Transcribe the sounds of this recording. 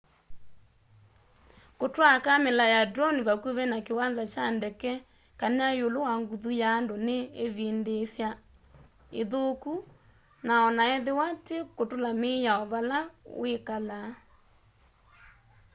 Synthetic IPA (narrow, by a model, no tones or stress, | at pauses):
kotwakamelajadɾɔniβakuβɛnakewanzat͡ʃandɛkɛ | kanajolowaŋɡuðujaːndoneːβendesja | eðoku | naɔnaɛðewatekotolamejaɔβalawekala